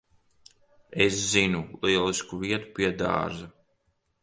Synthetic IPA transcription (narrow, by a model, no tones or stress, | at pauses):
eszinulˠiɛliskuviɛt̪u̥piɛd̪a̰ːza